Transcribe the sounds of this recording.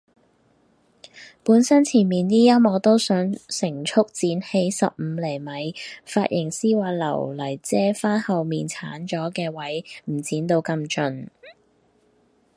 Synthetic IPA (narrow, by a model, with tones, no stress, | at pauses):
puː˨˥nsɐ˥nt͡sʰiː˨˩nmiː˨nniː˥jɐ˥mɔː˨˧t̪o˥wsœː˨˥ŋsɪ˨˩ŋt͡ʃʰʊ˥k̚t͡siː˨˥nhe˧jsɐ̰˨p̚m̩ː˨˧lɛ˨˩jmɐ˨˥jfaː˧t̚jɪ˨˩ŋsiː˥waː˧lɐ̰˨˩wlɐ˨˩jt͡sɛː˥faː˥nhɐ˨wmiː˨nt͡sʰaː˨˥nt͡ʃɔː˨˥kɛː˧wɐ˨˥jm̩˨˩t͡siː˨˥nt̪o˧wkɐ˧mt͡ʃɵ˨˧n